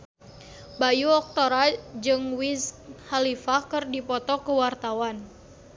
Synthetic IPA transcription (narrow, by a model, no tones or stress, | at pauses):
bajuɔk̚t̪oɾad͡ʒɨŋwishalifakɨrdipɔt̪ɔkəwart̪awan